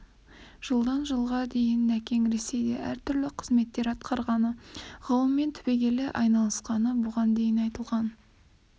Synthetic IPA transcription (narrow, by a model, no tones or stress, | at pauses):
ʒ̥əlˠd̪ɑnʒəlˠʁɑd̪e̞jɪnːækʲe̞ŋɾe̞se̞jd̪ḛʔæɾt̪ʰʏɾlɪqʰəzme̞t̪ːe̞ɾɑt̪qɑɾʁɑnəʁɑlˠəmːe̞nt̪ʰʏbe̞ɡʲe̞lɪʔɑjnɑlˠəsqɑnəbʊʁɑnd̪e̞jɪnɑjt̪əlˠʁɑn